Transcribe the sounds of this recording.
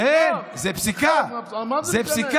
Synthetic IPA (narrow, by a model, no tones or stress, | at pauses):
ezɛpsika | zɛpsik